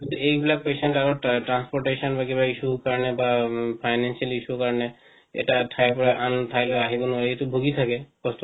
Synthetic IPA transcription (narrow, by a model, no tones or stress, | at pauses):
kĩnt̪uebilak̚pesenʈaɾɔʈɾanspɔʈesɔnbʱaɡibaisukaɹɔnebapʰajnansialisukaɹɔne | ḛʈaʈʰajpɔɾaʔant̪ʰajlɛaɦibɔnuait̪ubʱoɡit̪ʰakɛkɔst̪